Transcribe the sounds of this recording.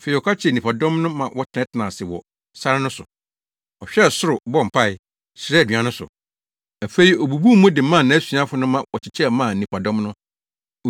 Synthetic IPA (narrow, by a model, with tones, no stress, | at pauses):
fe˨i˨ɔ˨kʰa˦t͡ɕʰɛ˨nĩ˨pʰa˨dɔ̃˦mnʊ̃˦mã˨wʔɔ˦tʰɪ˨ɛ̃˦tʰɪ˨nã˨sɪ˨wɔ˨ | sa˦ɾɪ˦nʊ̃˦sʊ̰˨ | ɔ˨ɕᶣɛ˦˨sʊ˦ɾʊ˨bɔ˦˨m̩˨pʰa˦˨ɪ˨ | sɾɛ˦˨dɥi˨ã˨nʊ̃˦sʊ̰˨ | æ˨fe˦i˨o˨bu˨bu˦mʊ̃˦dɪ˨˦mã˦˨nã˨æ˦su˨˦a˦fʊ˦nʊ̃˦mã˨wɔ˨t͡ɕʰɪ˨t͡ɕʰɛ˦mã˦˨nĩ˨pʰa˨dɔ̃˦mnʊ̃˦˨